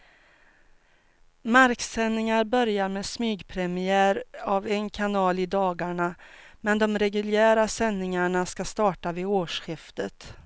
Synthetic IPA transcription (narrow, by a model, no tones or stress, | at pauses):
maɾksɛnːɪŋaɾbœɾjaɾmeːsmyːɡpʰɾɛmɪæːɾavɛnkʰanɑːlɪd̪ɑːɡaɳamɛnd̪ɔmɾɛɡɵljæːɾasɛnːɪŋaɳaskast̪ɑːʈavɪoːʂɧɪft̪ət̪